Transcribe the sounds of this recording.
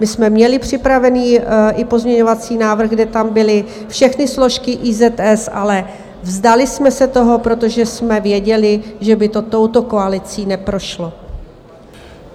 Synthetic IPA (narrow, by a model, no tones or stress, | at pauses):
mɪsmɛmɲɛlɪpr̝̥ɪpɾavɛniːʔɪpo̞zmɲɛɲo̞vat͡siːnaːvr̩ɣɡdɛt̪ambɪlɪ | fʃɛxnɪslo̞ʃkɪʔiːzɛt̪ɛsʔalɛ | vzd̪alɪsmɛsɛt̪o̞ɦo̞pɾo̞t̪o̞ʒɛsmɛvjɛɟɛlɪʒɛbɪt̪o̞t̪o̞wt̪o̞ko̞alɪt͡siːnɛpɾo̞ʃlo̞